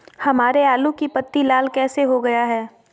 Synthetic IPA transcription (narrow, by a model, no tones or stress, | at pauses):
hɐmaːɾeaːlukipɐt̪ːilaːlkɛːseɦoɡɐjaɦɛː